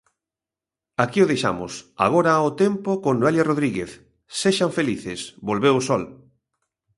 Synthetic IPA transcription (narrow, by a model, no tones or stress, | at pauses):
akiʊðejʃa̰mʊ̰sa̰ɣ̞oɾaaʊt̪empʊkoŋnoeljaroðɾiɣeθ | seʃaɱfeliθɪsbolβewʊsɔl